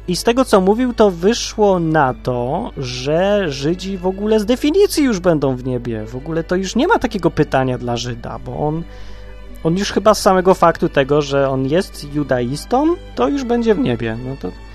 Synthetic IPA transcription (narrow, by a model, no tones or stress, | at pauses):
ist̪ɛɡɔt̪sɔmuvʲiwt̪ɔvɘʂwɔnat̪ɔʐɛʐɘd͡ʑivɔɡulɛzd̪ɛfʲiɲit̪sʲjijuʐbɛnd̪ɔ̃w̃vɲebʲjɛ̰vɔɡulɛt̪ɔjuʂɲɛmat̪akʲɛɡɔpɘt̪aɲad̪laʐɘd̪a̰bɔ̰ʔɔn | ɔnjuʂxɘbasːamɛɡɔfakt̪ut̪ɛɡɔʐɛɔnjɛst̪jud̪ajist̪ɔmt̪ɔjuʐbɛɲd͡ʑɛvɲebʲjɛ̰nɔt̪ɔ